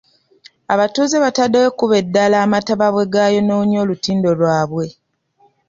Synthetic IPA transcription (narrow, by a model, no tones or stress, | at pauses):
aβatuːzeβatadːewekuβe̞dːalaːmataβaβwe̞ɡajo̞noːɲo̞ːlutiːndo̞lwaːβwe̞